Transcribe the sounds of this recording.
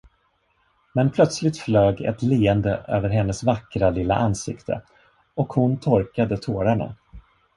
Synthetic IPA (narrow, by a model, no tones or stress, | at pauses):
mɛnpʰlœt̪slɪt̪fløːɡɛ̰t̪leːɛnd̪əʔø̰ːvəɾɦɛnːəsvakɾalɪlːa̰ʔansɪ̰kt̪ʰə̰ | ɔkhʊnt̪ʰɔɾkad̪ət̪ʰoːɾaɳa̰